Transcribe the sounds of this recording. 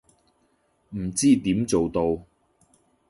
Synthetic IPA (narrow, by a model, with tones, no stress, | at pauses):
m̩˨˩t͡siː˥t̪iː˨˥mt͡so˨wt̪o˧w